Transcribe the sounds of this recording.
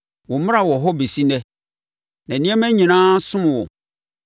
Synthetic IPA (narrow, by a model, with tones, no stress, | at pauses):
wɔ˨mɪ̃˦a˨wɔ˨ɦɔ˦be˨si˦nɛ̃˦ | nɛ̃˨nĩ˦ɛ̃˦mæ̃˦ɲĩ˨nãː˦sʊ̃˦m̃˨wɔ̰˨